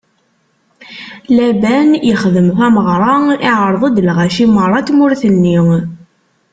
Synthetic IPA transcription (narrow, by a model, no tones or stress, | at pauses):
læbænjəχðəmθæməʁɾˤɑɪʕəɾˤðˤəd̪əlʁæʃimərˤːɑt̪mʊɾθənːiŋ